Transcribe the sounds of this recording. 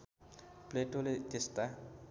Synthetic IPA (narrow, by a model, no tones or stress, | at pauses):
pleʈolet̪est̪a